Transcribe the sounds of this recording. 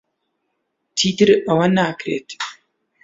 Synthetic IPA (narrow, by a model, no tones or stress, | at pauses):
t̪ʰiːt̪ɨɾɐwɐnaːkɾeːt̪